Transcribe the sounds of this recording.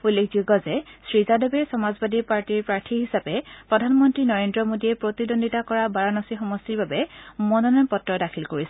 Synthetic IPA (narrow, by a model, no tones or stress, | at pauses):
ulːekʰd͡ʒuɡɔzɛsɹizadɔbɛsɔmazbadipaɹtiɹpɹaɹtʰiɦisapɛpɹɔdʱanmɔntɹinɔɹendɹɔmodiɛpɹotidondʱitakɔɹabaɹanɔsixɔmɔstiɹbabɛmɔnɔnɔnpɔtːɹɔdakʰilkoɹis